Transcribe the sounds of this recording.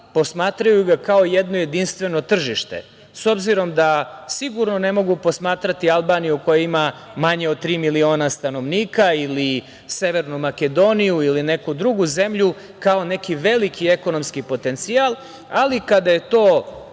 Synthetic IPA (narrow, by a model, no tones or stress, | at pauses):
po̞smaːt̪ɾajuɡakao̞jed̪no̞je̞d̪inst̪ʋe̞no̞t̪r̩ʒiʃt̪e̞̰ | so̞bziɾo̞md̪asiɡuɾno̞ne̞mo̞ɡupo̞smaːt̪ɾat̪ialˠbaːnijuko̞jaimamaɲeod̪̚t̪ːɾiːmilio̞ːnast̪ano̞ʋniːkaili | se̞ʋeɾnumake̞d̪o̞nijuiline̞kud̪ɾuɡuze̞mʎu | kao̞ne̞kiʋe̞likʰieko̞no̞mskipo̞t̪e̞nt̪sialˠ | alikad̪aje̞t̪oː